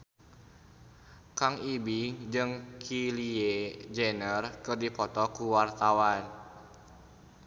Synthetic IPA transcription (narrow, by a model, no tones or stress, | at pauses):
kaŋibiŋd͡ʒɨŋkʰilied͡ʒɛnərkɨrdipɔt̪ɔkuwart̪awan